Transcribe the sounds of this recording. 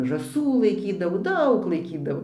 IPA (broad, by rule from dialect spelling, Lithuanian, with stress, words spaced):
ʒɑːˈsuː lˠɐɪˈkʲiːdɐʋoː ˈdɐʊk lˠɐɪˈkʲiːdɐʋoː